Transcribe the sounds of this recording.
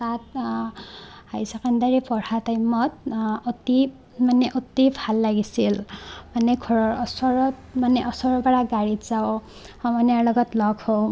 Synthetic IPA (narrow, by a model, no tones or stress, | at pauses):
sat̪̚ | hajsakand̪aɾipɔɽ̤at̪ajmɔt̪̚ɔt̪i | maneʔot̪ibʰʱalːaɡisilmanekʰɔsɔɾɔt̪maneʔɔsɔɾbaɽaɡaɽit̪d͡zaw | hamʌnaɾlʌɡɔt̪lɔɡo